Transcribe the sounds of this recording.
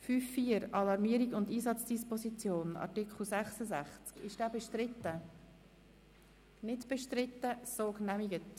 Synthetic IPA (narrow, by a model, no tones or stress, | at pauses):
fyːfːiːəɾɑlɑɾmiəɾiɡʊndiːsɑt͡sd̥ispɔsit͡sjoːnɑ̰tɪkχl̩sæχsəzæχt͡skɪʃd̥æːbeʃtɾɪtə | nɪdb̥ɛʃtɾɪtːəsoːɡnæmiɡət